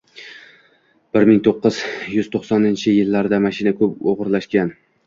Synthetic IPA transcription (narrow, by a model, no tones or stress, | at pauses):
b̥ɪɾmɪŋt̪ʰoqːɨz̥jʊz̥t̪ʰoχsɒnɪnt͡ʃʰɪjɪlːaɾd̪amaʃɪnakʰɵp̚oʁɾlaʃkʲan